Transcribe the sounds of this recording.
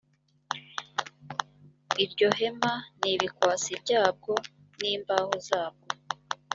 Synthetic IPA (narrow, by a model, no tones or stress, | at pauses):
iɾjɟo̞ɦe̞maniβikwaːt͡sibɟaːb̚ɡo̞ | niːmbaːhozaːb̚ɡ̥o